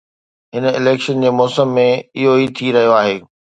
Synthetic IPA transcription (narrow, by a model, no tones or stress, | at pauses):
ɦɪnɪ̰leːkʃənd͡ʑeːmɔːsəmːẽɪɦoit̪ʰiɾɐɦijoaːɦeː